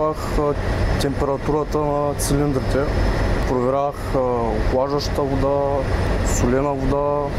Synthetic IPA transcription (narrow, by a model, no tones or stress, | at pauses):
ax | t̪ɛmpɛɾɐt̪uɾət̪ənɐt̪silind̪ɾit̪ɛpɾovɛɾaxklˠaʒɐʃt̪əvod̪a | sʊlɛnɐvod̪a